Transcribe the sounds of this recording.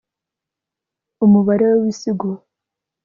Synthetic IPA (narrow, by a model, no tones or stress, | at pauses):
umuβaɾewowisiɡu